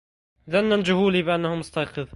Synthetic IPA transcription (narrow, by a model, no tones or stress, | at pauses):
ðanːand͡ʒʊhuːliːbɪʔanːahʊmʊst̪ɑjqɨðˤ